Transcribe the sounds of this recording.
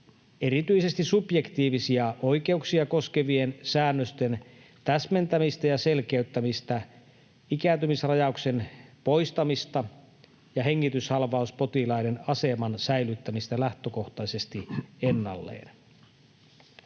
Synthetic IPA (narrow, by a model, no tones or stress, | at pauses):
eɾit̪yise̞st̪isupjekt̪iːʋisiɑʔoik̟e̞uksiɑko̞ske̞ʋiensæːnːøst̪e̞n | t̪æsme̞nt̪æmist̪æjɑse̞lkeyt̪ːæmist̪æ | ikæːnt̪ymisrɑjɑukse̞npoist̪ɑmist̪ɑ | jɑɦeŋːit̪yshɑlʋɑuspo̞t̪ilɑinenɑse̞mɑnsæjlyt̪ːæmist̪ælæht̪øko̞ht̪ɑse̞st̪ienːɑ̰lːḛːn